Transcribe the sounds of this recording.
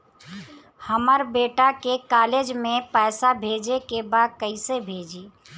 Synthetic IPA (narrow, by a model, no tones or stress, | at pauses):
həməɾbeːʈakekaːleːd͡ʒmẽpɛːsabʱeːd͡ʒekebaːd̪̚kəisebʱeːd͡ʒiː